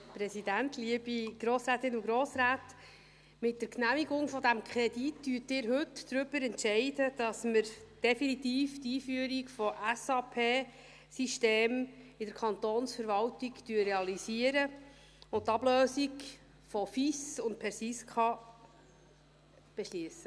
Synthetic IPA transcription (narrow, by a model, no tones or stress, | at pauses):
pɾɛsidæntliəb̥iɡ̥ɾoːsɾæːt̪ɪnʊɡɾoːsɾæːt | mɪt̚d̥əɾknæmiɡʊŋfɔdæmkʰχɛditdyətɪːɾɦɵtːɾʏb̥əɾɛntʃɛɪdəd̥ɑsməɾd̥ɛfinit̪iːftiːfyəɾikfɔʔæsɑpʰeː | siʃteːmɪdəɾkʰɑnt̪oːnsfəɾʋɑltiktyːərːeɑlisiəɾə | ʊntːɑb̥løːsik | fɔfisʊnt̚pʰɛɾsisχɑ | b̥eʃliəsə